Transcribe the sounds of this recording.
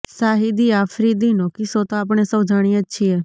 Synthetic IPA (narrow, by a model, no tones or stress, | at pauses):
saɦid̪iaːfɾid̪inõkɪsot̪oaːp̬ɳ̃esəwd͡ʒaɽ̃iətːʃʰiɛ